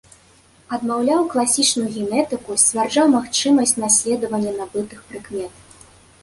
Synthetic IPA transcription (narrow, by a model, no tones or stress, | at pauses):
ɐd̪mawlʲawklˠasʲit͡ʂnujuɣʲɛnɛt̪ɨkusʲt͡sʲvʲard͡ʐawmaxt͡ʂɨmɐsʲt͡sʲnasʲlʲɛd̪ɐvɐnʲːɛnabɨt̪ɨxpɾɨkmʲɛt̪ɐ